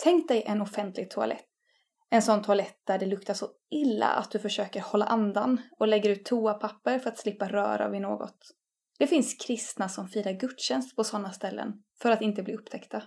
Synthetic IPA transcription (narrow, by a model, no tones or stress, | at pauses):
t̪ʰɛŋk̚t̪̚d̪ɛjʔɛnɔfɛnt̪ʰlɪɡ̚t̪ʰʊa̰lʔɛ̰t̪ː | ɛnsɔnːt̪ʰʊalɛt̪̚d̪̥æɖɛlɵkt̪aʂɔ | ɪlːa̰ʔa̰t̪̚d̪ɵfœʂøːkəɾhɔlːa̰ʔand̪anɔlɛɡːəɾʉ̟ːt̪ʰːuːapʰapːəɾfœɾat̪slɪpːaɾœ̰ːɾa̰vɪno̰ːɡɔ̰t̪ | d̪̥ɛfɪnskʰɾɪst̪nasɔmfiːɾaɾɡɵt̪ːɕɛnst̪̚pʰɔsɔnːast̪ɛlːə̰n | fœɾat̪ɪnt̪əbliːɵpːt̪ʰɛkt̪a